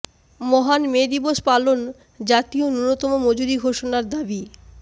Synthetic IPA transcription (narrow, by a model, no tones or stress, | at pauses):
mɔɦanmed̪iboʃpalon | d͡ʑat̪ionunot̪ɔmomod͡ʑuɾiɡʱoʃonaɾd̪abi